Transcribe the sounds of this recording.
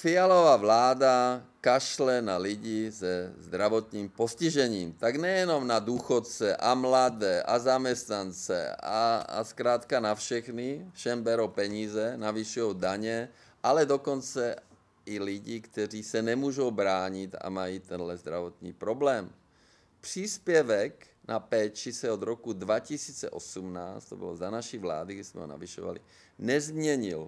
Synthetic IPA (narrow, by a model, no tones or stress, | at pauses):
fialɔʋaʋlaːd̪akaʃlɛnaliɟizɛzd̪ɾaʋɔt̪niːmpɔsciʒɛɲiːmt̪aɡɲɛjɛnɔmnad̪uxɔt̪t͡sɛʔamlad̪ɛːʔa̰zamɛst̪nant͡sɛ̰a̰a̰skɾaːt̪kanafʃɛxnifʃɛmbɛɾɔpɛɲiːzɛnaʋiʃɪɔʊd̪aɲɛ | ʔalɛd̪ɔkɔnt͡sɛ | iliɟiːkt̪ɛriːsɛnɛmuːʒowbɾaːɲit̪a̰majiːt̪ɛnlɛzd̪ɾaʋɔt̪nḭːpɾɔblɛːm | pr̥iːspjɛʋɛk | nʔapɛːt͡ʃisɛɔd̪ɾɔkud̪ʋacisiːt͡sɛ̰ʔɔsumnaːst̪t̪ɔbɔ̰lɔzanaʃiʋla̰ːd̪iɡdɛzmɛ̰ɦɔ̰na̰ʋiʃɔ̰ʋa̰lḭ | nɛzmɲɛɲil